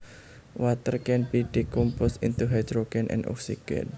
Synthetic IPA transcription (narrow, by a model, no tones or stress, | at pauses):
wat̪ərkɛnbid̥ikumpʊsint̪uɦajd̪ɾoɡɛnʔɛ̰̃nɔ̰ksikɛ̰n